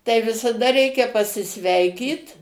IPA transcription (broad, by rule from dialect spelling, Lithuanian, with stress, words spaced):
tɐɪ ʋʲɪsɐˈdɐ ˈrʲɛɪkʲɛ pɐsʲɪˈsʲʋʲɛɪkʲiːt